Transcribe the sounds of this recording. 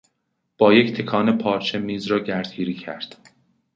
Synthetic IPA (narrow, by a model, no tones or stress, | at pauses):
b̥ɒːject̪ʰe̞kʰɒːnepʰɒːɾt͡ʃʰe̞miːzɾɒːɟæɾd̪̚ɡiːɾiːcʰæ̰ɾd̪̥